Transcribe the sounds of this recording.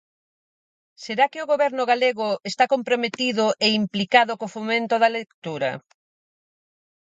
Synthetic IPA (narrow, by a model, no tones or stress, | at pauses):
seɾakɪoɣoβɛɾnʊɣaleɣʊest̪akompɾomet̪iðʊʔeimplikaðokofomẽnt̪ʊðɐlekt̪uɾɐ̰